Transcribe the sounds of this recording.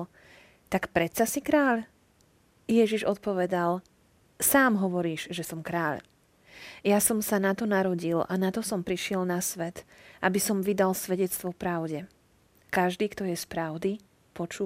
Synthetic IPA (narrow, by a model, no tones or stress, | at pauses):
t̪akpɾɛt̪sasikɾaːʎ | jɛʒiʒɔt̪̚pɔʋɛd̪al | saːmɦɔʋɔɾiːʒ̥ʒɛsɔmkɾaːʎ | jasɔmsanat̪ɔnaɾɔɟilanat̪ɔsɔmpɾiʃɪɛlnasʋɛt̪ʔabisɔmʋid̪alsʋɛɟɛt͡st̪ʋɔpɾaʊɟɛ | kaʒd̪iːkt̪ɔjɛspɾaʊd̪i | pɔt͡ʃuː